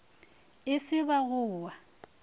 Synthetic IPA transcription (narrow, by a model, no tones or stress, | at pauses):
ɪsɪbaɣʊːwa